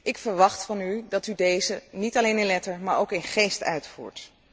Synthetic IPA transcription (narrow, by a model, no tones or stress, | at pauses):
ʔɪkfəɹʋɑχtfɑnydɑtydejzənitɑlejnɪnlɛtəɹmaːɹowkɪnχejstœ̰ɥtfṵːɹt